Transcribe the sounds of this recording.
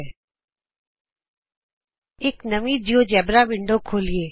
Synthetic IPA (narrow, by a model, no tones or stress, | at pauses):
eknəʋĩd͡ʒiod͡ʒɛːbɾaʋɪɳɖokʰoːlieː